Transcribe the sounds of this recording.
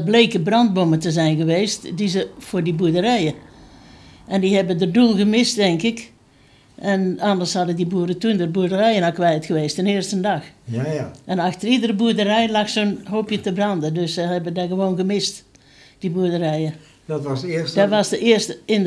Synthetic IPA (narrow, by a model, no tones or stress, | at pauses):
bleːkəbrɑnt̚bomətəzɛjnɣəʋeːstdizəfʊːdibuːədərɛjə | ʔɛndiɦɛbədədulˠɣəmɪstːɛŋkɪk | ɛnandərshɑdədibuədətundərbuədərɛjənakʋɛjtxəʋeːstənɪərstəndɑx | ɛnaxtəridərəbuədərɛjlaxsonɦoːpjətəbrɑndədøsəhɛbədaɣəʋoːnɣəmɪst | d̥ibuədərɛjə | dtsdɔtʋɑsdəʔɪərstəɪn